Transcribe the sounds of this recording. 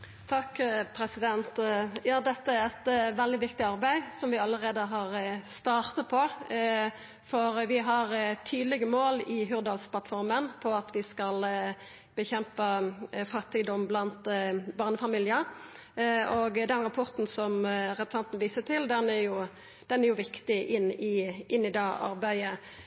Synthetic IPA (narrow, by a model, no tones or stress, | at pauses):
t̪ʰɑkːpʰɾɛsɪd̪ɛnt̪jɑːd̪ɛt̪ːəæɾɛt̪ʋɛld̪ɪʋɪkt̪ɪɑʁbæɪsɔmʋɪɑlːəʁeːd̪əɦɑʁst̪ɑːʁt̪ɑpʰɔ | fɔɾʋɪɦɑʁt̪ʰyːd̪lɪɡəmoːlɪɦʉʁd̪ɑlsplɑt̪fɔɾmənpʰɔɑt̪ʋɪskɑl | b̥əçɛmpəfɑt̪ːɪd̪ɔmːblɑnt̪bɑʁnəfɑmiːljəɾ | oɡd̪ɛnɾɑpʰɔʁt̪n̩sɔmɾɛpɾəsɑnt̪ənʋiːsət̪ʰɪld̪ɛnæɾjʊ | d̪̥ɛnæɾjʊʋɪkt̪ɪʔɪnːɪʔɪnːɪd̪ɛʔɑ̰ɾbæɪə